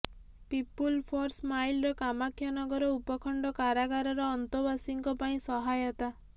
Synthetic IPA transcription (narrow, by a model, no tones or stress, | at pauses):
pipulpʰɔɾsmajlɾɔkamakʰjɔnɔɡɔɾɔupɔkʰɔɳɖɔkaɾaɡaɾɔɾɔːnt̪ɔbasiŋkɔpaĩsɔɦajɔt̪a